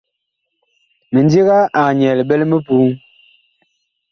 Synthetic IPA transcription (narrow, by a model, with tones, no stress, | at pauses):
mə˨n˦di˦ɣa˦ʔa˨ɲɛ˨lɓɛ˦lmə˦pu˨˦ŋ